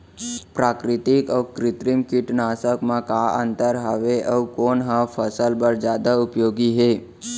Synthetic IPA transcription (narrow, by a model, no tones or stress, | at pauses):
pɾaːkɾɪt̪ɪkɔːkɾɪt̪ɾɪmkɪʈnaːsəkmãkaə̰̃nt̪əɾɦaʋeʔəʋkoːnɦãfʰəsəlbəɾd͡ʒjaːd̪aʊpjoːɡiɦe